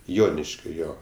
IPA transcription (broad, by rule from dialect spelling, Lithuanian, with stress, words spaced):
ˈjoːnʲɪʃʲkʲoː ˈjoː